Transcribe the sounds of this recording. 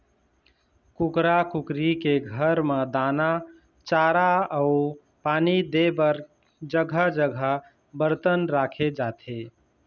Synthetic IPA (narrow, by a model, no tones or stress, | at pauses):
kukɾakukɾikeɡʱəɾmed̪ana | t͡ʃaɾaəu | paːnid̪ebəɾ | d͡ʒəɡʱəd͡ʒəɡʱə | bəɾt̪ənɾakʰed͡ʒat̪ʰe